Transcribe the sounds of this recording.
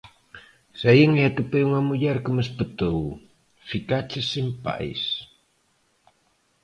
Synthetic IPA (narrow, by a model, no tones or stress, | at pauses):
sajəŋat̪əpəjuŋamujarkəməsbət̪əw | fikat͡ʃəsimpa̰ʔɪ̰s